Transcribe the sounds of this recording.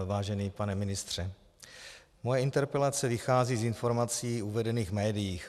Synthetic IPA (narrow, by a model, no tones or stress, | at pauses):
vaːʒɛniːpanɛmɪnɪst̪r̝̥ɛ | mojɛɪnt̪ɛɾpɛlat͡sɛvɪxaːziːzɪnfo̞ɾmat͡siːuvɛdɛniːɣmɛːdɪjiːx